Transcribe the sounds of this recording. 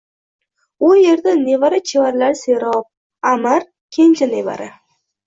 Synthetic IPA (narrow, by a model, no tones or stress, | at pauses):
ʊjeɾd̪anevaɾɪt͡ʃʰevaɾlaɾseɾɒp̚ | amaɾ | kʲʰenʲt͡ʃʰaneva̰ɾɪ